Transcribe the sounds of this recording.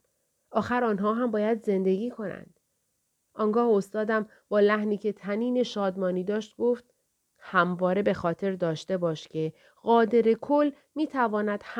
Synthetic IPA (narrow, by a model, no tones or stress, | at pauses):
ʔɒːxæɾɒːnɦɒːɦæmbɒːjæd̪ze̞nd̪e̞ɟiːkʰo̞næ̰nd̪̥ | ʔɒːŋɡɒːhost̪ɒːd̪æm | b̥ɒːlæhniːcʰe̞t̪ʰæniːne̞ʃɒːd̪mɒːniːd̪ɒːʃt̪̚ɡoft̪̚ | hæmvɒːɾe̞be̞xɒːt̪ʰe̞ɾd̪ɒːʃt̪e̞bɒːʃcʰe̞ | ɣɒːd̪e̞ɾe̞kʰol | miːt̪ʰævɒːnæd̪̥h